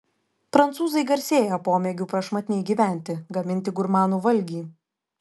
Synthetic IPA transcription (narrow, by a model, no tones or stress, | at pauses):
pɾɐnt̪suːzɐɪɡɐɾʲsʲeːjopoːmʲɛɡʲuːpɾɐʃmɐt̪ʲnʲɛɪɡʲiːʋʲæˑnʲt̪ʲɪɡɐmʲɪnʲt̪ʲɪɡʊɾmɑːnuːʋɐlʲɡʲiː